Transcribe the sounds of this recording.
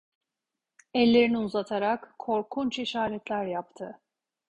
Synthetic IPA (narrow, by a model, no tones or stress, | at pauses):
ɛlʲːe̞ɾiniuzat̪ʰaɾakːʰo̞ɾkʰunt͡ʃiʃaːɾɛt̪lʲæɾjapt̪ʰɯ